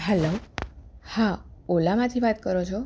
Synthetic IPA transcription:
ɦɛlo | hãolamãt̪ʰiʋat̪kəɾot͡ʃʰo

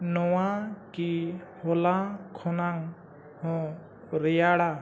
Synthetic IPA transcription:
nɔwakihɔlakʰɔnaŋ | hɔ̃ | ɾɛjaɽa

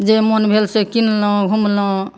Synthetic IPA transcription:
d͡ʒemɔnbʱelsekinlɔ̃ɡʱumlɔ̃

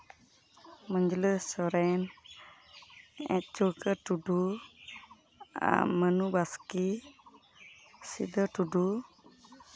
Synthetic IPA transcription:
məɲd͡ʒləssɔɾɛn | ɛ̰̃t͡ʃukəʈuɖu | a̰mənubaski | sḭd̪əʈuɖu

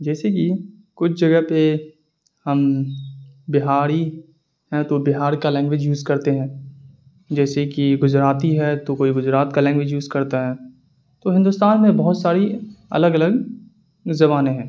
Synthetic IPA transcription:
d͡ʒɛːseki | kʊt͡ʃʰd͡ʒɐɡəɦpe | hɐm | bɪɦaːɾi | ɦɛ̃t̪obɪɦaːɾkalɛ̃ːŋɡʋeːd͡ʒjuːzkɐɾt̪eɦɛ̃ː | d͡ʒɛːsekiɡʊzɾaːt̪iɦɛt̪okoːiɡʊd͡ʒɾaːt̪kalɛ̃ːŋɡʋed͡ʒjuːzkɐɾt̪aɦɛː | t̪oɦɪ̃nd̪ʊst̪aːnmẽbɐɦʊt̪saːɾiɐ̰ləɡɐləɡ | zɐbaːneɦɛ̃ː

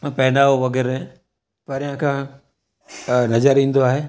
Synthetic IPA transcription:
pɐɦɪnaːʋoʋɐɡɛːɾẽ | pɐɾjãkʰã | nɐzəɾĩːn̆d̪oaːɦeː

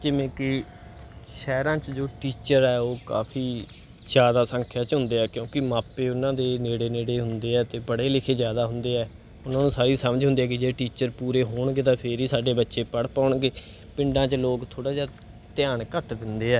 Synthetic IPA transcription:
d͡ʒɪʋẽːkɪ | ʃɛːɾãːt͡ʃd͡ʒoːʈiːt͡ʃəɾɛːoːka̰ːpʰiː | zjaːd̪aːsə̃ŋkʰjaːt͡ʃɦʊ̃nd̪eːɛːkjõːkɪmaːpeːʊnãːd̪eːneːɽeːneːɽeːɦʊnd̪eːɛːt̪eːbəɽeːlɪkʰeːd͡ʒjaːd̪aːɦʊnd̪eːɛː | ʊnãːnũːsaːɾiːsəməd͡ʒɦʊ̃nd̪eːɛːkɪd͡ʒeːʈiːt͡ʃəɾpuːɾeːɦoːɳɡeːt̪ãːpʰɪɾiːsaːɖeːbətːʃeːpəɽpaːʊɳɡeː | pɪ̃ɳɖãːt͡ʃloːkt̪ʰoːɽaːd͡ʒaː | t̪ɪjaːɳkəʈd̪ɪnd̪eːɛː

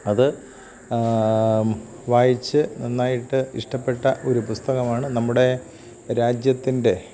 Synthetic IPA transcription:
ɐðɨ | ʋaːjit͡ɕːɨninːaːjiʈːɨiʂʈɐpːe̞ʈːɐʔo̞ɾupust̪ɐɣɐmaːɳɨnɐmːuɽe̞ | ɾaːd͡ʑjɐt̪ːinde̞

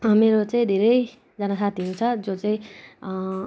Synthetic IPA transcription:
meɾot͡saĩd̪ʱeɾʌj | d͡zʌnʌsat̪iũt͡sʰʌd͡zot͡saĩ

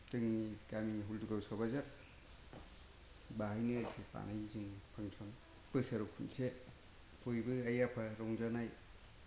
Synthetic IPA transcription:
tɯŋnikamiŋiɦulduɡawsɔbazat̚ | baɦajnɯaɾpʰɯpa̰najzɯnipʰaŋsʰɔn | pɯsaɾɔkʰunse | pʰojbɯajapʰaɾɔŋzanaj

